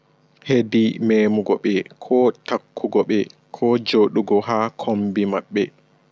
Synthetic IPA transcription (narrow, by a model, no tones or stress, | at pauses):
hedimɛːmuɡɔɓɛkʰɔtakːuɡɔɓɛkʰɔd͡ʒoɗuɡɔɦakʰombimaɓːɛ